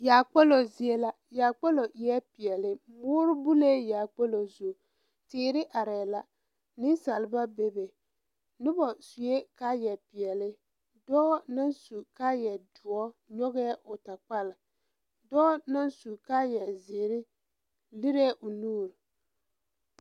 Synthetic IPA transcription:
jaː˨k͡pɛ˦lo˨zɪ˨e˦la˦ | ja˨k͡pɛ˦lo˨ʔjɛ˦pɪ˨ɛ˨lɪ˦ | mʊː˦ɾʊ˦bu˦le˦jaː˨k͡pɛ˦lo˨zu˨ | tɪː˨ɾɪ˦ʔa˨ɾɛː˨la˦ | nɪ˦sa˨lba˦be˦be˨ | nʊ˦bɔ˨su˨e˦ka˦jɛ˨pɪ˨ɛ˨lɪ˦ | dɔː˦na˦nsu˨ka˦jɛ˨dʊ˨ɔ˦ɲɔ˦ɣɛː˦ʔʊ˨ta˨k͡pa˦lɪ˨ | dɔː˦na˦nsu˨ka˦jɛ˨zɪː˨ɾɪ˦ | li˦ɾɛ˦ʔʊ˨nuː˦˨ɾ

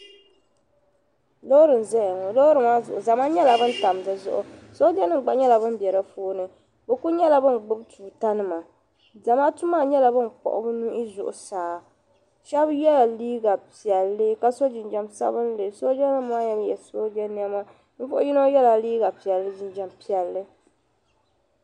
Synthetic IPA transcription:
lo˦ɾɨ˨n˨zɛ˦ja˨ŋɔ˨lo˦ɾɨ˨ma˦zʊ˨ʔʊ˨za˨maː˦ɲɛ˦la˨bɨ˦n˦ta˨m˨zɨ˨˦zʊ̰˦ʔʊ̰˨so˦di˦a˦nɨ˦ŋ˨ɡ͡ba˨˦ɲɛ˦la˨bɨ˦m˦bɛ˨ɾɨ˦foː˦nɨ˨ | bɛ˨ku˦ɲɛ˦la˨bɨ˦n˨ɡ͡bʊ˦btu˨ta˦nɨ˦ma˨ | za˨maː˦tu˦maː˦ɲɛ˦la˨bɨ˦nk͡pɔ̰˨ʔʊ̰˦bɨ˦nu˦i˦zʊ˨ʔʊ˨saː˨ | ʃɛ˦bjɛ˦la˨liː˦ɡa˨pi˨ɛ˨lːɨ˦ka˦so˦d͡ʒɪ˨nd͡ʒɛ˦msa̰˦bɨ˦n˦lɨ˨so˦d͡ʒɛ˦nɨː˦a˦jɛ˦ljɛ˨so˦di˦ɛ˦ni˦ɛ˦ma˦ | n̩˦fʊ˦ʔʊ˦ji˦no˦jɛ˦la˨liː˦ɡa˨pi˨ɛ˨lːɨ˦d͡ʒɪ˦nd͡ʒɛ˨mpi˨ɛ˨lːɨ˦

